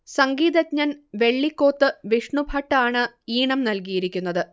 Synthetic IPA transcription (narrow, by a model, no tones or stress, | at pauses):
sɐŋɡiːðɐt̚ɲɐnʋe̞ɭːikːo̞ːt̪ːɨʋiʂɳubʱɐʈːaːɳɨiːɳɐmnɐlk̬ijiɾikʲːunːɐðɨ